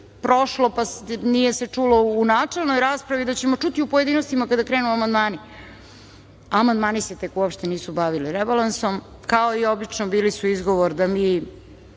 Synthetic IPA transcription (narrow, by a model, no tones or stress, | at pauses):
pɾo̞ʃlo̞pasnijese̞t͡ʂulo̞unaːt͡ʂe̞lˠnojɾaːspɾaʋid̪at͡ɕemo̞t͡ʂut̪iupoje̞d̪iːnost̪imakad̪akɾenuamand̪maːni | amand̪maːnise̞t̪e̞kuopʃt̪eniːsubaʋiliɾebalanso̞m | kao̞io̞bit͡ʂnobiːlisuizɡo̞ʋoɾd̪amiː